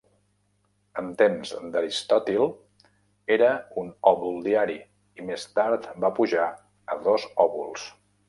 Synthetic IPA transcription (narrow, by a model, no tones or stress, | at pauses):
ənt̪emzd̪əɾist̪ɔt̪ilˠ | eɾəunɔβulˠd̪iaɾi | imest̪aɾt̪bapuʒa | əðɔzɔβulˠs